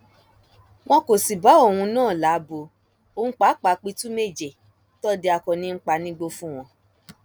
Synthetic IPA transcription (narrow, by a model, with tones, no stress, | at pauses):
w̃ɔ̃˦ko˨si˨ba˨˦o˦˨wũ˧nãː˦˨la˨˦bo˧ | õ˦˨˦k͡pa˨˦k͡pa˨˦k͡pi˧˦tu˦me˦˨d͡ʒe˨ | tɔ˦di˦a˧kɔ̃˨nĩ˧˦k͡pa˧nĩ˦ɡ͡bo˧fũ˦w̃ɔ̃˧